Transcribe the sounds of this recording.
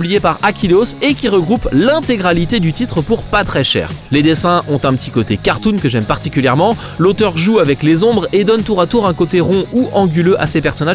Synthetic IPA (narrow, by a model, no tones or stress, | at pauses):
blijepaʁakʲilosekʲiʁəɡʁuplɛ̃t̪eɡʁalit̪ed̪yt̪it̪χəpuʁpat̪χɛʃɛ̰ːʁled̪esɛ̃ʔɔ̃t̪ɛ̃pət̪ʰikot̪ekaʁt̪unkəʒɛmpaʁt̪ikʲyljɛʁmɑ̃ | lot̪œʁʒuavɛklezɔ̃bʁed̪ɔnt̪uʁat̪uʁɛ̃kot̪eʁɔ̃uʔɑ̃ɡʲyløʔa̰sepɛʁsɔnaʒ